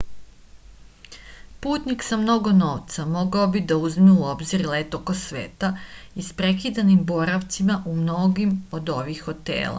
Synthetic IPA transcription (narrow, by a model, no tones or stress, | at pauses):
puːt̪niksamno̞ɡo̞no̞ːʋt̪samo̞ɡaobid̪auzmeuo̞bziɾle̞t̪o̞ko̞sʋe̞̰ːt̪aispɾe̞kid̪animbo̞ɾaʋt̪simaʔumno̞ɡimo̞d̪o̞ʋixo̞t̪ḛːlˠa̰